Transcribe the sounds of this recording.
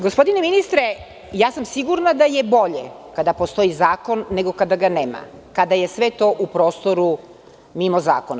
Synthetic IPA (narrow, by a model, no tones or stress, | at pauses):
ɡospo̞d̪ineminist̪ɾe | jaːsamsiɡuɾnad̪aje̞bo̞ʎḛkad̪apost̪o̞izaːko̞nːeɡo̞kad̪aɡaneːma̰ | kad̪aje̞sʋe̞t̪o̞ʔupɾo̞ːst̪o̞ɾu | mimoza̰ːkona